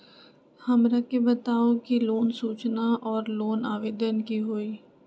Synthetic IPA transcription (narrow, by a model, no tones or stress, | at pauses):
hɐmɾakebət̪aːokiloːnsuːt͡ʃnaʔɔːɾloːnaːʋeːd̪ənkiɦoːiː